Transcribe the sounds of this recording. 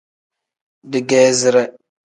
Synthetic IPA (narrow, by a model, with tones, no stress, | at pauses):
dɪ˨ɡɛː˦zɪ˦ɾɛ˦